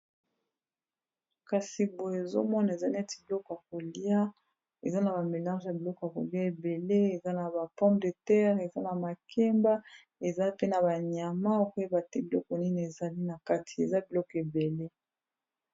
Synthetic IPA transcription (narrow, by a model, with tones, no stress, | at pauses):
ka˨si˨bo˨e˨zo̰˦mɔ˦na˨e˨za˦ni˦a˦ti˨bi˨lɔ˦kɔ˨ja˨ko˨li˦a˦ | e˨za˦na˨ba˨me˨lã˦ʒja˨bi˨lɔ˦kɔ˨ja˨ko̰˨li˦a˦e˨be˨le˦e˨za˦na˨ba˨pɔ̃˦bde˨tɛ˦ʁe˨za˦na˨ma˨kʰɛ˦mba˦ | e˨za˦pe˦na˨ba˨ɲa˨ma˦o˦kba˨te˦bi˨lɔ˦kɔ˨ni˦n˨e˨za˨li˦na˨ka˦tʰi̥˨ḛ˨za˦bi˨lɔ˦kɔ˨e˨be˨le˦